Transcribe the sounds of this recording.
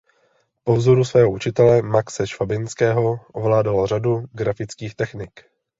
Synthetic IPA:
po̞vzoɾusvɛːɦout͡ʃɪt̪ɛlɛmaksɛʃvabɪnskɛːɦo̞ʔovlaːdaloraduɡɾafɪt͡skiːxt̪ɛxnɪk

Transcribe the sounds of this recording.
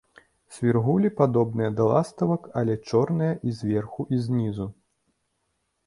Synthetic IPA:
sʲvʲirɣulʲipad̪ɔbnɨjɐd̪ɐlˠast̪ɐvɐkɐlʲɛt͡ʂɔrnɨjɐʔizʲvʲɛrxuʔizʲnʲizu

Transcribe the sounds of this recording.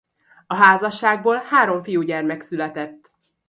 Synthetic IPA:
ɒɦaːzɒʃːaːɡ̚boːlhaːɾo̞ɱfijuɟɛrmɛksylɛt̪ɛt̪ː

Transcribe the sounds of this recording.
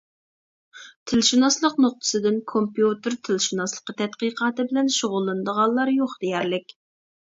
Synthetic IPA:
t̪ʰɪlʃunɑslˠəqnoq̚t̪ʰɨ̥sɨd̪ɪnkʰompjut̪ɨɾt̪ʰɪlʃunɑslˠə̥qːət̪ʰɛt̪qiqʰɑːt̪ɨbɪlɛnʃoʁʊlˠːɨnd̪əʁɑnlˠɑɾjoχd̪̥ejɛɾlɪkʲ

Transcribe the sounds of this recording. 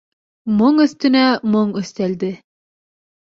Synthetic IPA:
moɴɵ̆θt̪ɵ̆næmoɴɵ̆θt̪æld̪ɘ

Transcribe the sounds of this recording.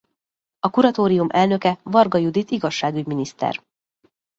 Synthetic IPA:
ɒkuɾɒt̪oːɾijumʔɛlnø̞kɛvɒrɡɒjud̪it̪iɡɒʃːaːɡyɟminist̪ɛ̰r

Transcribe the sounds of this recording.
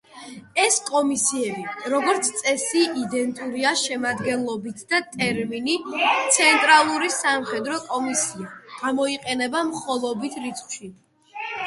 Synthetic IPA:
ɛskʼɔmisiɛbiɾɔɡɔɾt̪sʰt̪sʼɛsiid̪ɛnt̪ʼuɾiaʃɛmad̪ɡɛnlˠɔbit̪ʰd̪at̪ʼɛɾminit̪sʰɛnt̪ʼɾalˠuɾisamχɛd̪ɾɔkʼɔmisiaɡ̥amɔiqʼɛnɛbamχɔlˠɔbit̪ʰɾit̪sʰχʃi

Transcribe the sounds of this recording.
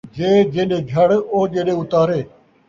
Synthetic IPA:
d͡ʒeːd͡ʒẽːɗeːɡʱɐɽoːd͡ʒẽːɗẽːʊt̪aːɾeː

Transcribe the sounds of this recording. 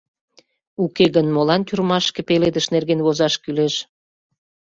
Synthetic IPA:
ukeɣənmolɑnt̪yrmɑʃkepeled̪əʃnerɣenβozɑʃkyleʃ

